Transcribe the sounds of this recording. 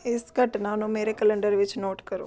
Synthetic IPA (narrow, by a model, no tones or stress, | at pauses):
ɪskɐʈnaːnũmeːɾekɐlɐɳɖəɾʋɪt͡ʃːnoːʈkɐɾṵː